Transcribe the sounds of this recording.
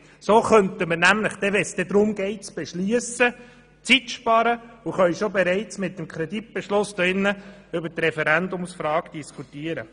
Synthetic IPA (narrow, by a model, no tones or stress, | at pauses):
soχœntəməɾnæmləχd̥ɛʋɛsd̥̪ɛd̪ɾʊmɡ̥ɛɪt͡sb̥ɛʃlyəsə | t͡sitʃpɑɾəʊχœʏʃobɛɾæɪt͡smɪt̪̚dəmkʰɾɛd̪it̚b̥ɛʃlʊsdɔɪnːəʏbəɾtɾɛfɛɾænd̪ʊmsfɾɑːɡ̥d̥iskʰut̪iəɾə̰